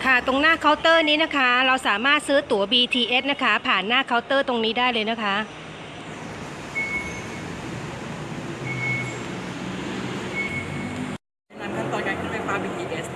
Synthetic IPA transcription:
kʰa˥˩t̪o˧ŋnaː˥˩kʰa˦˥wt̪ɤː˥˩niː˦˥na˦˥kʰa˦˥ɾa˧wsaː˩˦maː˥˩t̪̚sɯː˦˥t̪u˩˦ɐbiː˧t̪ʰiː˧ʔe˦˥t̚na˦˥kʰa˦˥pʰaː˨˩nːaː˥˩kʰa˦˥wt̪ɤː˥˩t̪o˧ŋniː˦˥daː˥˩jlɤː˧jna˦˥kʰa˦˥ʔ | a˧naː˦˧˩mk̪ʰa˥˩mt̪ɔː˨˩ka˨˩kʰa˧˥˩a˧˥˩kʰwaː˧mbiː˧˩iː˧ʔe˦˥s

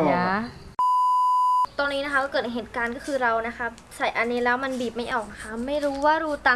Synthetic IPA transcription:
ja˧˩ | t̪ɔː˧nːiː˦˥na˦˥kʰa˦˥kɔː˥˩kɤː˨˩˨ɦeː˨˩t̪̚kaː˧nkɔː˥˩kʰɯː˧ɾa˧wna˦˥kʰa˦˥p̚ | sa˨˩jʔa˧nːiː˦˥lɛː˦˥wma˧nbiː˨˩p̚ma˥˩jʔɔː˨˩k̚a˧kʰa˦˥ma˥˩jɾuː˦˥waː˥˩ɾuː˦˥t̪a˧

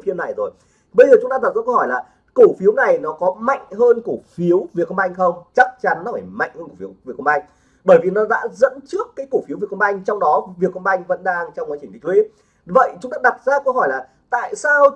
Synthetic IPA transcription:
fi˧əna˨˩jzo˨˩j | ɓə˧jzəː˨˩ʊ˨˦ŋ͡mt̪aː˧aː˨˩zə̰˧˥khɔ˧˩jlaː˨˩ | ku˧˩fi˨˦wna˨˩jnɔ˨˦kɔ˨˦ma̰˧˨jŋ̟ɦəː˧nku˧˩fi˨˦əwvi˨˩ət̚kːŋ͡mʔa˧jŋ̟xə˧wŋ͡mt͡ɕa˦˥k̚t͡ɕa˨˦nː˨˦faː˧˩jma̰˧˨jŋ̟həː˧nku˧˩fi˨˦ə˦wvi˨˩ək̚ʰə˧ŋ͡mʔa˧jŋ̟ | ɓəː˧˩jvi˨˩nɔ˨˦ɗa̰ː˧˥zə̰˧˥nt͡ɕɨ˦˥əkːaː˨˦jku˧˩fi˨˦wvi˨˩ək̚ʰŋ͡mʔa˧jŋ̟t͡ɕɔ˧wŋ͡mɗɔ˨˦vi˨˩ət̚kə˧ŋ͡mʔa˧jŋ̟və̰˧˥nɗaː˧ŋt͡ɕɔ˧ŋ͡mkwaː˨˦t͡ɕi˧˩t̪ŋ̟tʰwi˨˦ | və̰˧˨jt͡ɕʊ˨˦ŋ͡mt̪aː˧˥ɗa˨˩t̚zaː˧kə˧whɔ˧˩jlaː˨˩ | t̪a̰ː˧˨jsaː˧w

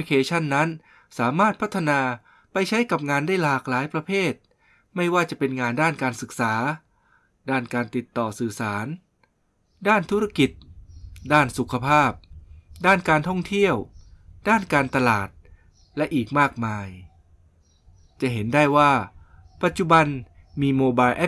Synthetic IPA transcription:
i˧kʰeː˧t͡ɕʰa˥˩nːa˦˥n | saː˩˦maː˥˩t̪̚pʰa˦˥t̪ʰːa˧naː˧ | pa˧jt͡ɕʰa˦˥jka˨˩p̚ŋaː˧ndaː˥˩jlaː˨˩k̚laː˨˦jpɾa˧pʰeː˥˩t̪̚ | ma˥˩jwaː˥˩t͡ɕa˨˩pe˧nŋaː˧ndaː˥˩nkaː˧nsɯ˨˩k̚saː˩˦ | daː˥˩nkaː˧nt̪i˨˩t̪ːɔː˨˩sɯː˨˩saː˩˦n | daː˥˩nt̪ʰu˦˥ɾa˧˥˩ki˨˩t̪̚daː˥˩nsu˨˩kʰa˧pʰaː˥˩p̚daː˥˩nkaː˧nt̪ʰɔ˥˩ŋt̪ʰi˥˩əwdaː˥˩nkaː˧nt̪a˧la̰ː˨˩t̪̚ | lɛ˦˥ʔiː˨˩k̚maː˥˩k̚maː˧j | t͡ɕa˨˩ʔɦe˩˦nda˥˩jwaː˥˩ | pa˨˩t̪̚t͡ɕu˨˩ba˧n | miː˧moː˧baː˧jʔɛ˦˥

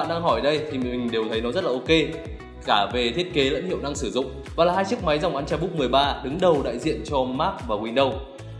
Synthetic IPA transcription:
a̰ː˧˨nɗaː˧ŋɦɔ˧˩jɗə˧jt̪ʰi˨˩ï˨˩ŋ̟ɗe˨˩wt̪ʰə˨˦jnɔ˨˦zə˦˥t̚la˨ʔo˧ke˧ | kaː˧˩ve˨˩t̪ʰi˦˥ət̚ke˨˦lə̰˧˥nhḭ˧˨əwʔɗa˧ŋsɨ˧˩zʊ̰˧˨ŋ͡m | vaː˨˩laː˨˩haː˧jt͡ɕɨ˦˥ək̚ma˨˦jza˨˩wŋ͡mʔaː˨˧nt͡ɕɛ˧ɓk͡p̚mɨ˨˩əjɓaː˧ɗɨ˨˦ŋɗə˨˩wɗa̰ː˧˨jzḭ˧˨ənt͡ɕɔ˧maː˦˥k̚vaː˨˩kwi˧nɗə˧w

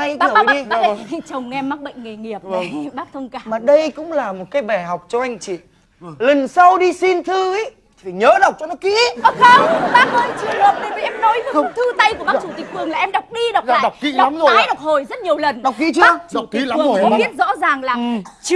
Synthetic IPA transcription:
a˧jɓaː˦˨˦aː˦˧˨ha̰˧˩t͡ɕə˨˩wŋ͡mŋɛ˧mːaː˦˥k̚ɓə̰˧˨jŋ̟ŋe˨˩ŋi˨˩əp̚a˨˧˩ɓaː˦˥k̚t̪ʰə˧wŋ͡mkaː˧maː˨˩ɗə˧jkʊ̰˧˥ŋ͡mlaː˨˩mo˨˩t̚kaː˨˦jɓa˨˧˩ɦɔ˨˩wk͡p̚t͡ɕɔ˧ʔa˧jŋ̟t͡ɕḭ˧˨ | lə˨˩nsa˧wɗi˧si˧nt̪ʰɨ˧i˨˦jʰ | i˨˩fa˨˩ɲəː˨˦ɗə˨˩wk͡p̚t͡ɕɔ˧nɔ˨˦kḭ˧˥ɔ˧˦xə˧ɓaː˦˥k̚həː˧jt͡ɕḭ˧˨nə˨˦t̪i˧˨˩vi˨ʔɛ˧mnɔ˨˦ji˧˩˧t̪ʰɨ˧t̪a˧jku˧˩əɓa˦k̚t͡ɕu˧˩t̪ï˨˩k̚fʰɨ˨˩əŋlaː˨˩ʔɛ˧mɗa˨˩wk͡p̚ɗi˧ɗa˨˩aː˨˩wk͡pkḭ˧˨ɗm˨a˨˦jɗa˨˩wk͡p̚ho˨˩jzə˦˥t̚ɲi˨˩əwlə˨˩nɗa˨˩wk͡p̚kḭ˧˥˦t͡ɕɨ˧˦˧t͡ɕk̚kḭ˧˨˦ə˨ŋ˨kɔ˨˦˨ɓi˦˥ət̚zɔ̰˧˥zaː˨˩ŋlaː˨˩˨t͡ɕ

